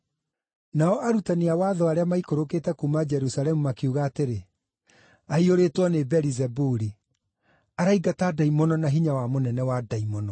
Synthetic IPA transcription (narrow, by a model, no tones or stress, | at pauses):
naɔʔaɾutaneawaːðɔaɾeamaikoɾoketɛkumad͡ʒɛɾusalɛmumakiuɣaːteɾe | aioɾetwɔnebɛɾizɛbuɾi | aɾaiɡatadaimɔnɔnaɦiɲawamonɛnɛwadaimɔnɔ